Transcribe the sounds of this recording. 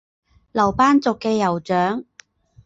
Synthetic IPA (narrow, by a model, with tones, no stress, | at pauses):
lɐ˨˩wpaː˥nt͡sʊ˨kːɛː˧jɐ˨˩wt͡ʃœː˨˥ŋ